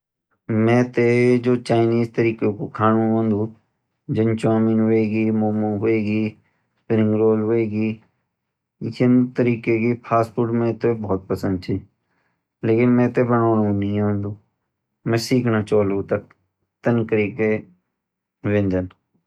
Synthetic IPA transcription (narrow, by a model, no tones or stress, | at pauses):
mɛ̃ːt̪ed͡ʒoːt͡ʃaːɪniːzt̪əɾiːkekokʰaːnũɦõːnd̪ũː | d͡ʒənt͡ʃãːminɦoeːɡiːmoːmõːɦʊeːɡiː | pɪɾɪ̃ŋɡɾoːlɦoeːɡiː | jɪnt̪əɾiːkekipʰaːspuɾʈmɛ̃ːt̪ebɔːt̪̚pəsə̃nd̪̚t͡ʃʰiː | leːkɪnmɛ̃ːt̪ebənoːnũnəɦĩɦõːnd̪uː | mɛ̃ːsiːkʰnat͡ʃoːlot̪ək | t̪ənkəɾike | ʋẽnd͡ʒ̪ən